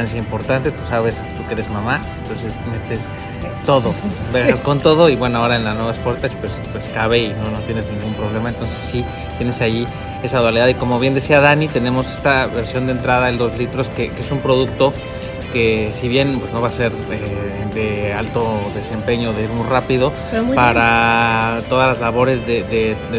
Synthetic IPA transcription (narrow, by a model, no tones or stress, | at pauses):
ansjaimpo̞ɾt̪ant̪e̞t̪u̥saβe̞st̪uke̞ɾe̞zmamaent̪o̞nse̞sme̞t̪e̞s | t̪o̞ðo̞beɣasko̞nt̪o̞ðoiβwe̞noaoɾaenlaznwe̞βaspoɾt̪at͡ʃpwe̞spwe̞skaβe̞ino̞no̞t̪je̞ne̞znĩŋɡumpɾo̞β̞le̞maent̪o̞nse̞sːi | t̪jene̞sai | e̞saðwaliðaðiko̞mo̞βjend̪e̞siaðanit̪ene̞mo̞sest̪aβe̞ɾsjo̞nd̪ent̪ɾaðaenlo̞zlit̪ɾo̞ske̞keesumpɾo̞ðuk̚t̪o̞ | ke̞siβje̞npwe̞zno̞βase̞ɾ | eðealt̪o̞ðe̞se̞mpe̞ɲo̞ːðe̞iɾmujrapiðo̞ | paɾa | t̪o̞ðazlazlaβo̞ɾe̞zðeðe